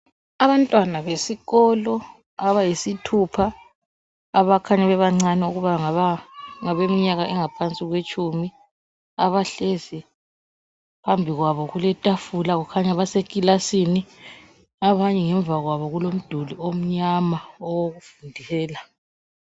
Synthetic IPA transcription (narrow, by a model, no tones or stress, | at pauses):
aβantʼwanaβesiɣɔlɔ | aβajisitʰupʰaː | βakʰaɲaβɛβaŋ͡ǀanɛuɣuβaŋaβaŋaβemiɲaɣaʔɛŋapʰant͡sʼiɣwet͡ʃʼumi | aβaɬezi | pʰambʱiɣwaβɔɣulɛtʼafulaɣukʰaɲaβasekʼilasini | aβaɲɛŋɛɱvʱaɣwaβɔɣulom̩d̥ʱuliom̩ɲamaɔwoɣufundʱilɛːla